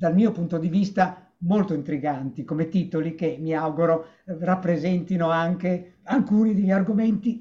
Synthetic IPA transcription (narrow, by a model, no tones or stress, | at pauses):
d̪almiːopunt̪od̪ivist̪a | molt̪oint̪ɾiɡant̪ikomet̪it̪olikemiawɡuɾo | rapːɾezɛnt̪inoaŋkeaŋkuːnid̪eʎːarɡoment̪i